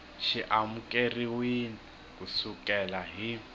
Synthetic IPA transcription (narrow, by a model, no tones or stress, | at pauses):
ʃiʔamukʼeriwini | kʼusukʼɛlaɦi